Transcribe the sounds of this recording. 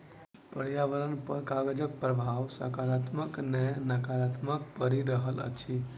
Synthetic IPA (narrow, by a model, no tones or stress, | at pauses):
pəɾjaʋəɾənpəɾkaɡəd͡ʒək̚pɾəbʱaʋsə̰kaɾat̪məknɛnəkaɾat̪mək̚pəɾiɾəɦələ̰t͡ʃʰi